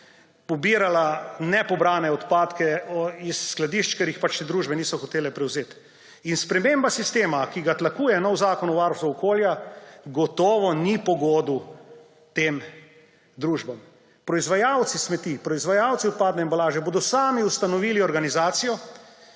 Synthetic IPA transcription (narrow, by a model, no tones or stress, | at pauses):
pɔbiːɾalanɛpɔbɾaːnɛɔt̪paːt̪kɛɔisːklad̪iʃt͡ʃkɛɾjixpat͡ʃt̪ed̪ɾuːʒbɛniːsɔxɔt̪eːlɛpɾɛwzeːt̪ | inspɾɛmembasist̪eːmakiɡat̪lakuːjɛnɔwzaːkɔnuʋaːɾst̪uɔkoːljaɡɔt̪ɔːʋɔnipɔɡɔːd̪u | t̪eːm | d̪ɾuːʒbam | pɾɔizʋajawt̪sismɛt̪ipɾɔizʋajawt̪siɔt̪̚paːd̪ɛimbalaːʒɛboːd̪ɔsaːmiust̪anɔʋiːliɔɾɡanizaːt̪sijɔ